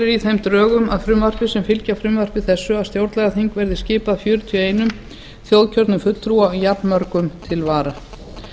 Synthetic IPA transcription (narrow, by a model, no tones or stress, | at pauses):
ɪɾiθejmt̪ɾœːɣʏmaðfɾʏmvar̥pɪsɛmfɪlcafɾʏmvar̥pɪθɛsːʏaðst̪jowɾt̪lɛɣaθiŋkvɛɾðɪscɪːpaðfjœːɾʏt̪ʰjœeːjnʏm | θjowðcʰœɾt̪nʏmfʏt̪l̥t̪ʰɾuaɔjapnmœɾkʏmt̪ʰɪlvaːɾa